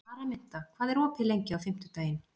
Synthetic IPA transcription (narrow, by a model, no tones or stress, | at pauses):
aːɾamɪn̥t̪akʰvaːðɛɾɔːpʰɪlejɲcɪawfɪm̥t̪ʏt̪aːjɪn